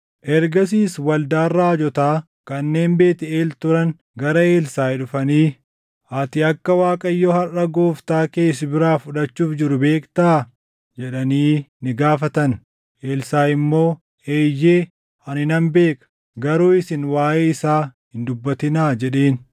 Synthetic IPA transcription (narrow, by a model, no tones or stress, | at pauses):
ʔɛɾɡɐsiːswɐld̪aːrːaːd͡ʒɔt̪aː | kɐnːe̞ːmbe̞ːt̪ɪeːlt̪ʊɾɐn | ɡɐɾɐe̞ːlsaːɪᶑʊfɐniː | aːt̪ɪɐkːɐwaːkʼɐjːɔhɐrɐɡo̞ːft̪aːke̞ːsɪbɪɾaːfʊᶑɐt͡ʃːuːfd͡ʒɪɾʊbe̞ːkt̪aː | d͡ʒɛᶑɐniːnɪɡaːfɐt̪ɐn | ʔe̞ːlsaːɪmːo̞ː | eːjːeː | ɐnɪnɐmbe̞ːkʼɐ̥ | ɡɐɾoːɪsɪnwaːʔeːɪsaːhɪnd̪ʊbːɐt̪ɪnaːd͡ʒɛᶑe̞ːn